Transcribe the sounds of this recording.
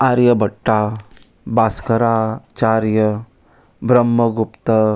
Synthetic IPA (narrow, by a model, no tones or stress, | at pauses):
aɾjəbəʈːa | baskəɾat͡ʃaɾjə | bɾəmːəɡupt̪ɐ